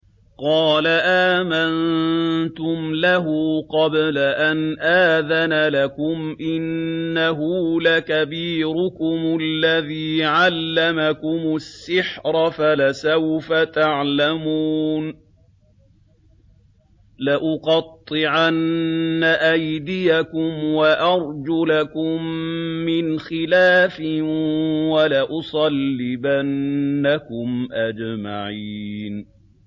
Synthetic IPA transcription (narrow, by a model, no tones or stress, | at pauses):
qɑːlaʔaːmant̪ʊmlaɦʊqɑblaʔanʔaːðanalakʊmʔɪnːaɦʊlakabiːɾʊkʊmʊlːaðiːʕalːamakʊmʊsːɪħɾɑfalasawfat̪aʕlamuːn | laʔʊqɑt̪ˤːɨʕanːaʔajd̪ɪjakʊmwaʔɑɾˤd͡ʒʊlakʊmːɪnxɪlaːfɪ | walaʔʊsˤɑlːɪbanːakʊmʔad͡ʒmaʕiːn